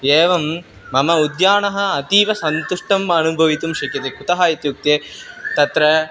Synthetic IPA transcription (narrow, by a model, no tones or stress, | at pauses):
eːʋɐmː | ɐmɐud̪jaːɳɐɦɐ̆ːt̪iːʋɐsɐnt̪uʂʈɐmɐnubʱɐʋit̪umʃɐkɐt̪eput̪ɐɦaːit̪juk̚t̪eːt̪ɐt̪ɾɐ